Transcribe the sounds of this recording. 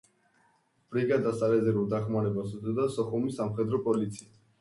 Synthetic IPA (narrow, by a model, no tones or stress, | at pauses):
b̥ɾiɡad̪asalɛzɛɾulˠd̪aχmaɾɛbasud̪ɔd̪asɔχumisːamχɛd̪ɾɔpʼɔlit̪sʰia